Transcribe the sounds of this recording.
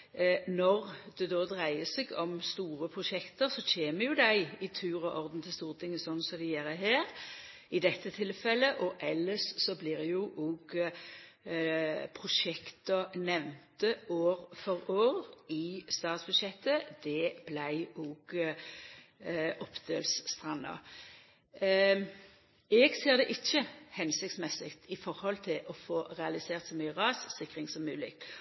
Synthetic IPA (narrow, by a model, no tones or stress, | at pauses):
nɔʁd̪ɛd̪oːd̪ʁæɪəseɡɔmst̪uːɾəpʰʁʊʃɛkt̪əɾsɔçeːməɾjʊd̪æɪɪt̪ʰʉːɾɔʔɔʁd̪n̩t̪ʰɪlst̪uːʁət̪ʰɪŋːəsɔnːsɔd̪ɛjeːɾəɦæːʁ | ɪd̪ɛt̪ʰːət̪ʰɪlfɛlːəʔɔʔɛlːəssɔblɪɾjʊʔɔːɡ | pʰʁʊʂɛkt̪ənɛʋnt̪əʔoːɾfɔʁoːʁɪst̪ɑːt̪sbʉd̪ʃjɛt̪ːəd̪ɛblæɪuːɡ̥ | ʔɔpd̪eːlsst̪ʁɑnːɑ̰ | ɛːɡseːʁd̪ɛʔɪçːəhɛnsɪkt̪smɛsɪkt̪ʰɪfɔɾhɔlt̪ʰɪlʔɔfoːʁɛɑlɪseːʁt̪sɔmyːəʁɑːssɪkːʁɪŋsɔmːʉːlɪ̰